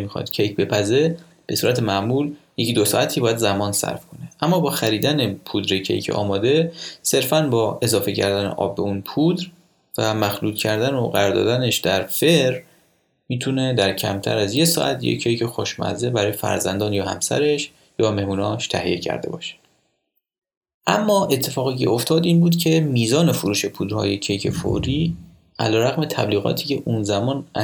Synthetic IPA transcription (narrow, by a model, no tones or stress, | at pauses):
mixɒ̰ːd̪̥cʰejkʰbe̞pʰæze̞ | b̥e̞suːɾʔæt̪ʰe̞mæʔmuːlje̞cʰiːd̪osɒːæt̪ʰibɒːjæd̪zæmɒːnsæ̰ɾfkʰo̞neʔæmːɒːbɒːxæɾiːd̪ænepʰud̪ɾecʰḛjcʰḛʔɒ̰ːmɒːd̪e̞se̞ɾfænbɒːe̞zɒːfe̞cʰæ̰ɾd̪ænḛʔɒ̰ːbːeunpʰud̪ɾ | væmæxluːd̪̚cʰæɾd̪ænoɢæɾːɾd̪ɒ̰ːd̪æneʃd̪æɾfeɾ | miːt̪ʰune̞d̪æɾcʰæmt̪ʰæ̰ɾæzje̞sɒ̰ʔæ̰t̪ʰjḛcʰejcʰexoʃmæ̰zebæɾɒːje̞fæ̰ɾzænd̪ɒːnjɒːhæ̰msæ̰ɾe̞ʃ | jɒːme̞hmuːnɒːʃt̪ʰæhḭje̞̰cʰæ̰ɾd̪e̞̰bɒ̰ːʃe̥ | ʔæmːɒːʔe̞t̪ʰːe̞fɒːɣiːcʰe̞̰o̞ft̪ʰɒːd̪iːnbuːd̪cʰe̞miːzɒːne̞fuɾuːʃe̞pʰuːd̪ɾhɒ̰ːje̞cʰejcʰefo̰ɾiː | ʔæ̰lɒːɾæɣme̞t̪ʰæ̰bliːɣɒ̰ːt̪ʰiːce̞ʔunzæmɒːnʔæ